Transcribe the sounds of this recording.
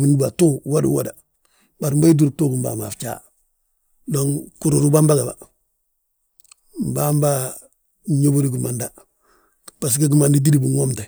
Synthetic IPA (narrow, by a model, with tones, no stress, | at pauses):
mi˨ndi˦ba˨tu˦wa˦dṵ˦wo̰˨da˨ | ba˨ɾmba˦i˦d̬u˦ɾ̚to˦ku˨mba̰ː˨ma̰˨ft͡ʃa̰ː˦ | do˦ŋku˨ɾu˨ɾu˦ba˦mba˦ɡa˨ba̰˨ | m˨ba˦mba˦ | ɲo˦bo˦ɾi˦ɡi˨ma˨nda˨ | b̥a˨s̬ɡa˦ɡi˦ma˨ndi˦d̬i˦di˦bu˨ŋo˦mta˨